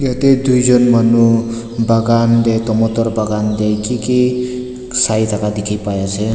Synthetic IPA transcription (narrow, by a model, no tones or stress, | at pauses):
ɡet̪ed̪ujd͡zʌnmʌnu | baɡand̪ejt̪ɔmot̪ɔrbaɡand̪ejkike | sajt̪ʰakad̪ikʰipajat͡sʰe